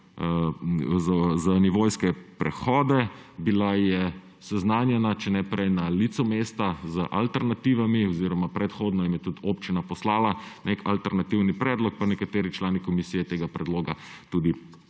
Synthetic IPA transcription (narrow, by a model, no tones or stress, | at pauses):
zzaniʋoːjskɛpɾɛ̰xɔːd̪ɛbilajɛ | sɛznaːnjɛnat͡ʃɛnɛpɾɛjnalit̪sɔmeːst̪azəʔalt̪ɛɾnat̪iːʋamiɔziɾɔmapɾɛt̪xoːd̪nɔimjɛt̪ut̪ʰoːpt͡ʃinapɔslaːlanekalt̪ɛɾnat̪iwnipɾɛːd̪lɔk̚panɛkat̪eːɾit͡ʃlaːnikɔmisijɛt̪eːɡapɾɛd̪loːɡat̪uːd̪i